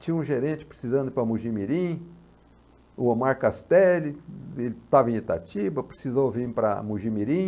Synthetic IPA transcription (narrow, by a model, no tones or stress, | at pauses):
t͡ʃĩɲũʒeɾẽnt͡ʃɪ̥pɾe̥sizɐ̃nd̪ʊpɾɐmuʒimiɾĩ | ʊomaɾkast̪ɛlɪelɪt̪avẽet̪a̰t͡ʃibɐpɾesizowvĩpɾɐ̰muʒimiɾĩ